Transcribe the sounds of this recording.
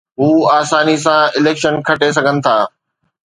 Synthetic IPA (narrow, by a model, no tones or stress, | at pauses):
ɦuːaːsaːnis̬ãɪleːkʃənkʰɐʈes̬ɐɡʱənɪ̆t̪ʰaː